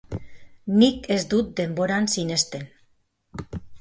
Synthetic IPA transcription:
nike̞zd̪ut̪̚d̪e̞mbo̞ɾansine̞st̪e̞n

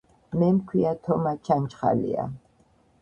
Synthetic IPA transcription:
mɛmkʰwiat̪ʰɔmat͡ʃʰant͡ʃχa̰lḭa̰

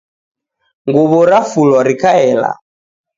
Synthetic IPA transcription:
ŋɡuβɔɾafulɔɾikaɛla̰

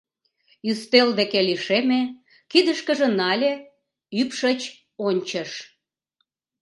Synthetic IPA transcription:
yst̪eld̪ekeliʃeme | kid̪əʃkə̆ʒĕnɑlʲe | ypʃət͡ɕ | onʲt͡ɕəʃ

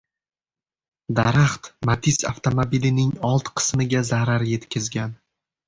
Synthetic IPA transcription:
d̪aɾaχt̪mat̪ʰisa̰ft̪ʰomobilɪnɪŋɒlˠt̪qʰɨ̥smɪɡʲazaɾaɾje̞t̪kʲʰɪzɡʲan

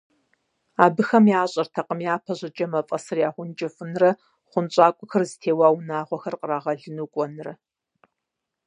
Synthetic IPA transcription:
aːbɨxɐmjaːɕʼɐrtʰɐqʼəmjaːpʰɐʑɐd͡ʒʼɐmɐfʼɐsɨrjaːʁʷʊnd͡ʒʼɪfɨnrɐ | χʷʊnt͡ʃʼaːkʷʼʊxɐrztʰeːwaːwnaːʁʷɔxɐrqəraːʁɐɮɨnuːkʷʼɔnrɐ̰

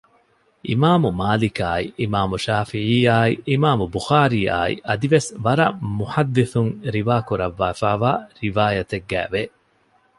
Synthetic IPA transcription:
ʔḭmaːmumaːlikaːḭʔimaːmuʃaːfiʕiːaːiʔimaːmubuxaːɾiːa̰ːḭʔɐd̪iʋesʋɐɾɐmuħɐd̪ːiθuŋɾiʋaːkuɾɐʋːaːfaːʋaːɾiʋaːjɐt̪eɡːæ̰ːʋe

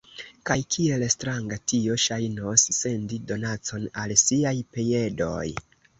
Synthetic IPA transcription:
kajkʰie̞lstɾaŋɡatio̞ʃajnosːe̞ndido̞nat͡so̞nalsiajpeje̞do̞̰j

